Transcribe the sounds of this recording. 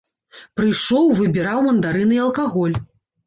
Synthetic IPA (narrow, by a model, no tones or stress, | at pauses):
pɾɨjʂɔwvɨbʲiɾawmɐnd̪aɾɨnɨjɐlˠkaɣɔlʲ